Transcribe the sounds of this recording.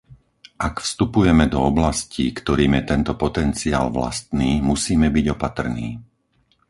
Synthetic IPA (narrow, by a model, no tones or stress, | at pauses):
ʔakfst̪upujɛmɛd̪ɔɔblascikt̪ɔɾiːmjɛt̪ɛnt̪ɔpɔt̪ɛnt͡sia̰ːlʋla̰st̪niːmusiːmɛbiɟɔpat̪r̩nḭː